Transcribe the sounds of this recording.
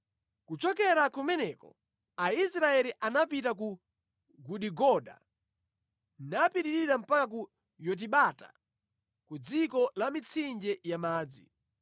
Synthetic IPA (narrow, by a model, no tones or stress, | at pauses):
kut͡ʃɔkɛɾakumɛnɛkɔ̰ | aisɾaɛliʔanapitak̬u | ɡuɗiɡɔɗa̰ | napiɾiɾiɾam̩pakak̬u | jɔt̬iɓatḁ̰ | kud͡zikɔlamit͡sʰind͡ʒɛjamaːd͡zḭ